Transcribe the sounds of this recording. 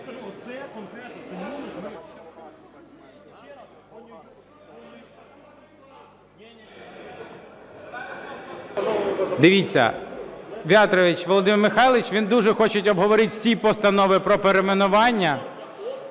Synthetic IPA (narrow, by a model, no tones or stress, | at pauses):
d̪ɪʋʲit͡sʲːɐ̰ | ʋʲɑt̪ɾɔʋʲit͡ʃʋɔlˠɔd̪ɪmɪrmɪxɑjlˠɪt͡ʃʋʲind̪uʒɛxɔt͡ʃɪtʲɔbɦɔʋɔɾɪtʲwsʲipɔst̪ɐnɔʋɪpɾɔpeɾemenʊʋɑnʲːɐ